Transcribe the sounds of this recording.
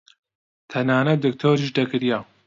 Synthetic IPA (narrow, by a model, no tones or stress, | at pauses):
t̪ʰɐnaːnɐt̪̚d̪ɨk̚t̪ʰoːɾiʒd̪ɐɡɨɾjaː